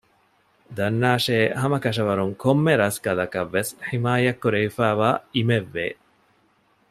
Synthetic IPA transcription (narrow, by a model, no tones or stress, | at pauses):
d̪ɐnːaːʃeːɦɐmɐkɐʃɐʋɐɾuŋkomːeɾɐskɐlɐkɐʋːesħimaːjɐkːuɾeʋifæːʋaːimeʋːḛː